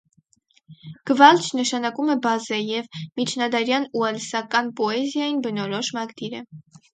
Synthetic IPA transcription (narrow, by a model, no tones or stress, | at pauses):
ɡ̥əvɑlt͡ʃʰnəʃɑnɑkumɛbɑzɛjɛvmit͡ʃʰnɑd̪ɑɾjɑnuɛlsɑkɑnpɔɛzjɑjinbənɔɾɔʃmɑɡd̪iɾə